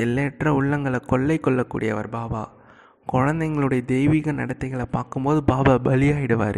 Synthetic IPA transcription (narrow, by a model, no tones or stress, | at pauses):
ɛlːeːʈrɐʊɭːɐŋɡɐɭɐkɔɭːɐɪkːɔɭːɐkːṵːɽɪjɐ̰ʋɐ̰ɾbaːba̰ː | kɔɻɐnd̪ɐɪŋɡɐɭɯɽɐjɐd̪ɛjʋiːɣɐnɐ̰ɽɐt̪ːɐɪɣɐɭɐpaːɾkɯmpoːðɯbaːbaːbɐlɪjaːjɪɽɯʋa̰ːɾɯ